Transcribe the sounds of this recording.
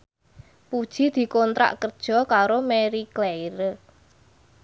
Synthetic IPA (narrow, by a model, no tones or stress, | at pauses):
pud̥ʒ̥id̪̥i̤kɔnt̪ɾa̰ʔkərd̥ʒ̥ɔ̤kaɾomɛɾiklɛjɾə